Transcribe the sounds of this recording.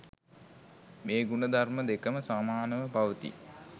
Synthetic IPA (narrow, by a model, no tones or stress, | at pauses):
meːɡunəd̪arməd̪ekəməsaːmaːnəʋəpaʋət̪ḭ